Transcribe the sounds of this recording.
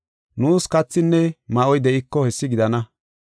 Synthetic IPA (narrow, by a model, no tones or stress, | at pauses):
nuːskɐt͡sːɪnːɛmɐʔɔjd̪ɛʔɪkːɔhɛsːɪɡɪd̪ɐnɐ